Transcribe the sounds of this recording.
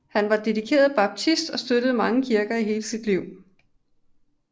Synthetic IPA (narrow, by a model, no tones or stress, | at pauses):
hænʋɑ̈d̥e̝d̥ikʰe̝̰ːɐð̩ˠb̥ɑ̈b̥̚t͡sʰisd̥ɒ̽sd̥øɾ̥əð̞̩ˠmɑ̈ŋəkʰiɐɡ̥ɐiɦe̝ːləsid̥liʊ̰